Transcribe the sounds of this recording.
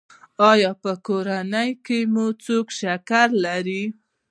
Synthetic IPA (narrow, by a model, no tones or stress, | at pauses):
ɑjɑpəkoɾanəjkemut͡sokʃakaɾlaɾi